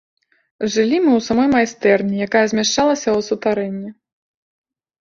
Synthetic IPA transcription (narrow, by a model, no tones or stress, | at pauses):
ʐɨlʲimɨwsamɔjmajst̪ɛrnʲijakajɛɐzʲmʲaʂt͡ʂalˠɐsʲɐwsut̪aɾɛnʲːi